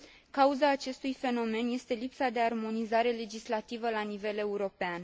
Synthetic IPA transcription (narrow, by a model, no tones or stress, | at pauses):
kauzaːt͡ʃe̞st̪ujfe̞no̞me̞nje̞st̪e̞lipsad̪e̞armo̞nizaɾe̞le̞d͡ʒislat̪ivəlanive̞le̞uɾo̞pean